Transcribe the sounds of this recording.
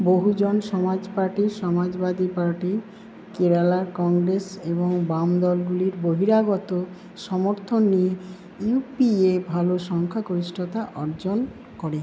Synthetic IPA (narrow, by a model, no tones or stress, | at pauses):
boɦud͡ʑɔnʃɔmad͡ʑpaɾʈiɾʃɔmad͡ʑbad̪ipaɾʈi | keɾalaɾkɔŋɡɾeseboŋbamd̪ɔlɡuliɾboɦiɾaɡɔt̪o | ʃɔmoɾt̪ʰonːije | jupiebʱaloʃɔŋkʰakoɾisʈʰot̪aʔɔɾd͡ʑon | kɔɽe